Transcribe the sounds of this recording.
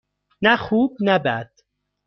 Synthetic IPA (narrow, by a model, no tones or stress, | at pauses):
næxuːb̚næbæd̪̥